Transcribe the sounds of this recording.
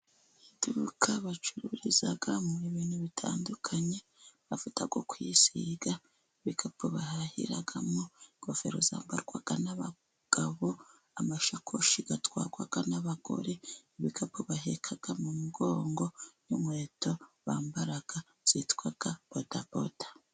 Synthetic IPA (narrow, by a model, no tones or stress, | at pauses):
id̥ukʰaβat͡ʃuɾuɾizaɡamuiβiːnuβitʰa̰ːndukʰaɲe̞ | βafutaɡwokwisiɡa | iβikʰapuβahahḭɾaɡamoŋɡofe̞̰ɾo̞za̰ːmba̰ɾɡwaɡ̥anaβa | ɡ̥aβo̞ | amaʃakʰoʃiɡatwaːɾɡwaɡ̥anaβaɡ̥o̞̰ɾeiβikʰapʰuβahekʰaɡ̥amumuɡoːŋɡo̞jumweːtʰo̞βaːmbaɾaɡ̥a | z̥itkwaɡ̥abotapo̰tḁ